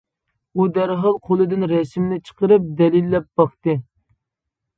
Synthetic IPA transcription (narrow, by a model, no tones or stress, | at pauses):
ud̪æɾɦɑlˠqʰolˠɨd̪ɪnɾɛsmnɪt͡ʃʰə̥qəɾɨp̚d̪ɛlilːɛp̚b̥ɑχt̪ɨ